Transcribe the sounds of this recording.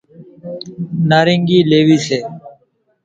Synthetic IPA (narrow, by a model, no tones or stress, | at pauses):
naːɾɪŋɡiːleːʋiːseː